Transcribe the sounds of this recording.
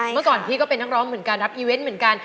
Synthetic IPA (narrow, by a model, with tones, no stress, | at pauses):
mɯ˥˩ɐkɔː˨˩nt̪ʰiː˥˩kɔː˥˩pe˧nːa˦˥ɾɔː˦˥ŋmɯ˨˩˦ənka˧nɾa˦˥p̚ʔiː˧we˦˥nmɯ˨˩˦ənka˧n